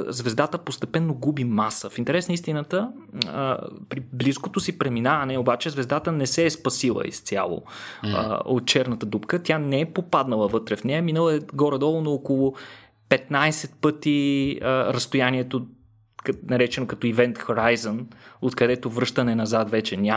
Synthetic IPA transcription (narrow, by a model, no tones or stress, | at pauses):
zvɛzd̪at̪əpost̪ɛpɛnːoɡubimasəfint̪ɛɾɛsnəist̪inət̪ə̰ | pɾibliskot̪osipɾɛminavɐnɛobat͡ʃɛzvɛzd̪at̪ənɛsɛːspɐsilˠə̰ḭst̪sʲa̰lˠo̰ | o̰t̪̚t͡ʃɛɾnət̪əd̪upkət̪ʲjanɛɛpopad̪nəlˠəvɤt̪ɾɛfnɛɛminəlˠəɛɡɔɾɛd̪ɔlˠonookolˠʊ | pɛt̪̚najsɛt̪̚pɤt̪iəɾəst̪ojaniɛt̪o | knɐɾɛt͡ʃɛnokɐt̪ɔivɛnt̪xɐɾajzənot̪kɐd̪ɛt̪ovɾɤʃt̪ənɛnɐzat̪vɛt͡ʃɛnʲa